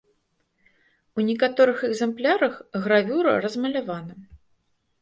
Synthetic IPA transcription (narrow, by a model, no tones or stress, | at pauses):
unʲikat̪ɔɾɨxɛɡzɛmplʲaɾɐxɣravʲuɾɐ̰rɐzmɐlʲavanɐ